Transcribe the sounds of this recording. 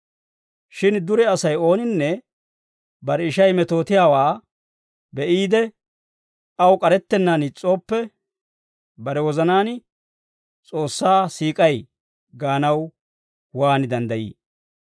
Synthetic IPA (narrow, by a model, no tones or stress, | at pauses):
ʃɪnd̪ʊɾɛɐsɐjo̞ːnɪnːɛ | bɐɾɛɪʃɐjmɛt̪o̞ːt̪ɪjaːwaː | bɛʔiːd̪ɛ | ɐwkʼɐɾɛt̪ːɛnːaːnɪt͡sʼːo̞ːpːɛ | bɐɾɛwɔzɐnaːn | t͡sʼo̞ːsːaːsiːkʼɐj | ɡaːnɐw | waːnd̪ɐnd̪ɐjḭː